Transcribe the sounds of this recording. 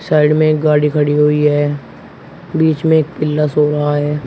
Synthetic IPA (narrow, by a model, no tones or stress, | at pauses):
saːɪɖmẽekɡaːɽikʰəɽiɦoːiɦɛː | biːt͡ʃmẽeːk̚pɪlːasoːɾɐɦaɦɛː